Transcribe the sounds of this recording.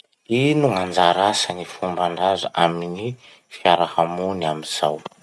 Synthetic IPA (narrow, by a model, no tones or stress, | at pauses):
inuŋand͡zaɾasanifumbaɳɖ͡ʐazaʔamini | fijaɾakamunamiz̥aw